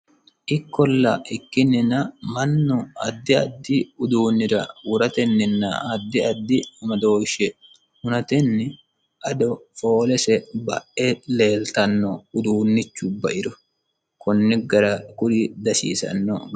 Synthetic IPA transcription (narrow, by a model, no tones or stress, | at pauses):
ʔɪkːɔlːɐʔɪkːɪnːɪnɐmɐnːɔɐ̰d̪ːɪɐd̪ːɪʊd̪uːnːɪɾɐ̰wʊɾɐt̪ɛnːɪnːɐ̰ɐd̪ːɪɐd̪ːɪɐmɐd̪o̞ːʃɛ | hʊnɐt̪ɛnːɪ | ʔɐd̪ɔfo̞ːlɛsɛbɐ̰ʔɛle̞ːlt̪ɐnːɔʊd̪uːnːɪt͡ʃːʊbɐʔɪɾɔ | kɔnːɪɡɐɾɐkʊɾid̪ɐsḭːsɐ̰nːɔ̰b